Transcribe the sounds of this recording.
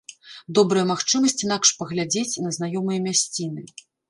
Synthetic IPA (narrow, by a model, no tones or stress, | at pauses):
d̪ɔbɾɐjɐmaxt͡ʂɨmɐsʲt͡sʲinakʂpɐɣlʲad͡zʲet͡sʲnɐzn̪ajɔmɨjɐmʲasʲt͡sʲinɨ